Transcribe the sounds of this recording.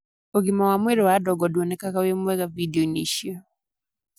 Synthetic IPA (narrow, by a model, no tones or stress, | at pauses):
oɡɪmɔwamweɾɔwadɔɡɔdwɔnɛkakawemwɛɡavidioniʃjo